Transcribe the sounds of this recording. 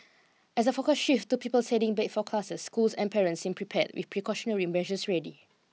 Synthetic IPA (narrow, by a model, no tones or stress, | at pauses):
ɛs̬əfokəsʃiftupipəlsɛdĩŋbɛtfɔkʰlasəsːkulsɛ̃npʰɛɹə̃ntsĩmpʰɹipʰɛt̚wʔḭθpʰɹikʰɔʃɔnəlɹimɛʒəsɹɛdi